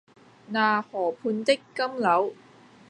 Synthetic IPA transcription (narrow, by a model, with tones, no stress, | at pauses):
naː˨˩hɔː˨˩pʰuː˧nt̪e˥kːɐ˥mlɐ˨˥w